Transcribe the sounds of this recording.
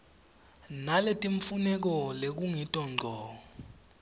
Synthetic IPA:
naletʼiɱfunɛk̬ɔlek̬uŋitʼɔŋ͡ǀʱɔːɔ

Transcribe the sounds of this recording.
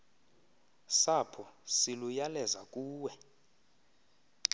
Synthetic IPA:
sapʰɔsilujalɛzakʼuːwɛ

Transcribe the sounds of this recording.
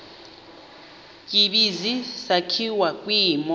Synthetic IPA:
k̬ʼiɓizisakʰiwak̬ʼwiːmɔ

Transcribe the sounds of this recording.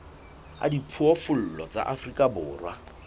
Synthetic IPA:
a̰dipʰuɔfʊl̩lɔt͡sʼa̰ʔafrikʼabʊːrwa

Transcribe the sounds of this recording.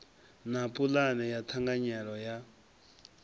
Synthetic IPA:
napʼulanɛjat̪ʰaŋɡaɲɛɺɔja

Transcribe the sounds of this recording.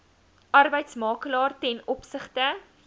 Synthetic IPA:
ʔɐrbəjtsmɑːkəlɑːrtɛnɔpsəχtə

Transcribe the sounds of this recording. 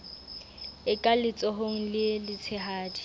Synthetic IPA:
ɪkʼalɪt͡sʼɔɦoŋ̩lɪlɪt͡sʰɪɦaːdi

